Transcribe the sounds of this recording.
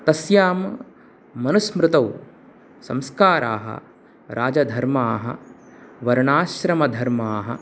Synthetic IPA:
t̪ɐsjaːmː | ɐnusmɾɪt̪ɐw | sɐ̰̃mskaːɾʔa̰ːɦɐ̰ | ɾʔaːd͡ʒɐd̪ʱɐɾmaːɦɐ̰ʋɐɾɳaːʃɾɐmɐd̪ʱɐɾmaːɦɐ̆

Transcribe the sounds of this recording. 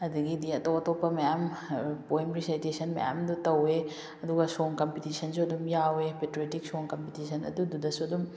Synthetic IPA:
ɐduɡidiɐtoɐtopːɐmɐjampoemɾisajtesʰɐnmɐ̰ja̰mdutɐwe | ɐduɡɐsoŋkɐmpitisʰɐnsuɐdumjawepetoɾetik̚soŋkɐmpitisʰɐnɐ̰dududɐsuɐdum

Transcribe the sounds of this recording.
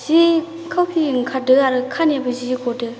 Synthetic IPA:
z̥i | kʰawpʰiŋkʰadɯaɾɯkʰanebəzizikʰɔdɯ

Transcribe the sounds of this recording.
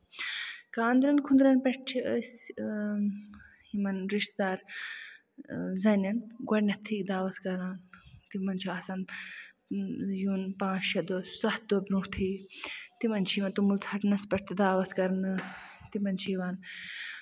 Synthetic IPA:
kãːnd̪ɾɐnkʰund̪ɾɐnpɐʈt͡ʃʰiəsʲ | himɐnɾiʂt̪d̪aːɾ | zɐnʲɐnɡwɐɽʲnɐt̪ʰiːd̪aːʋɐt̪kɐɾaːnt̪imɐnt͡ʃʰiaːsɐn | juːnpãːt͡ʃt͡ʃʰɐd̪osɐht̪̚d̪obɾũːʈʰiːt̪imɐnt͡ʃʰiʋɐnt̪umult͡sʰɐʈnɐspɐʈ̚t̪d̪aːʋɐt̪ʰkɐɾnɨt̪imɐnt͡ʃʰiʋaːn

